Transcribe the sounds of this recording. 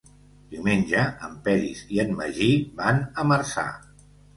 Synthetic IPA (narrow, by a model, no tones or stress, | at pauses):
d̪iwmenʲd͡ʒəəmpɛɾḭziənːə̰ʒibanəməɾsa̰